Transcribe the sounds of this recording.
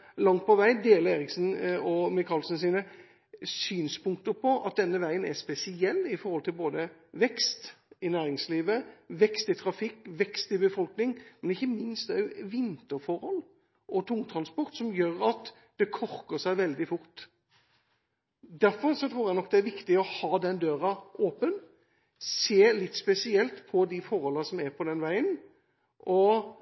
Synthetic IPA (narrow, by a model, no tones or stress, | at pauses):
lɑŋt̪̚pʰɔʋæɪd̪eːləɾeːɾɪksn̩ɔmɪkʰɑːlsn̩siːnə | syːnspʊŋk̚t̪əpɔʔɑ̰t̪̚d̪ɛnːəʋæɪənæspɛsɪɛlːɪfɔɾhɔlt̪ʰɪlboːd̪əʋɛkst̪ɪnæːɾɪŋsliːʋəʋɛkst̪ɪt̪ʰɾɑfɪkːʋɛkst̪ɪbəfɔlknɪŋmɛnɪçːəmɪnst̪d̪ɛæʋɪnt̪əfɔɾhɔl | ʔɔt̪ʰʊŋt̪ʰɾɑnspɔɾt̪sɔmjøːɾɑt̪ | d̪̥ɛkʰɔɾkəsæɪʋɛld̪ɪfʊɾt̪ | d̪æɾfɔɾsɔt̪ʰɾuːɾjæɪnɔk̚ːd̪ɛæɾʋɪkt̪ɪɔhɑːd̪ɛnd̪øːɾɑʔoːpən | seːlɪt̪ːspɛsɪɛlt̪pʰɔd̪ɪfɔɾhɔlːɑsɔmæpʰɔd̪ɛnʋæɪən | ʔɔ